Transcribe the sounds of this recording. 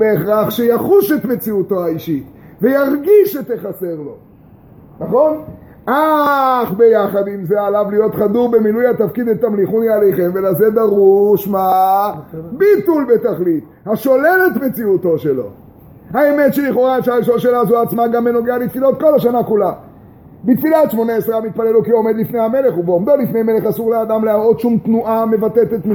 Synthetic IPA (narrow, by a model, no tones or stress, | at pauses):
beːχʁaχʃejaχuʃe̞t̪me̞t͡siut̪o̞haiʃit | vejaʁɡiʃet̪eχase̞ʁlo̞ | naχo̞n | ʔaχbe̞jaχad̪imzealavlijo̞t̪χad̪uʁbe̞milujhat̪afkid̪et̪ːamliχuniale̞jχe̞mvelazedaʁuʃma | bit̪ulbe̞t̪aχlit̪ | haʃo̞le̞le̞t̪met͡siut̪o̞ʃe̞lo̞̰ | haeme̞t̪ʃeliχo̞ʁaeʃaiʃolʃelazuaːt͡smaɡameno̞ɡealit̪filo̞t̪̚ko̞lhaʃanakula | bit̪filaʃmo̞naesʁeamit̪̚palelukio̞me̞d̪lifne̞jame̞le̞χubeomd̪o̞lifne̞jme̞le̞χasuʁlead̪amleamo̞d̪ʃumt̪nuʔame̞vat̪et̪et̪mi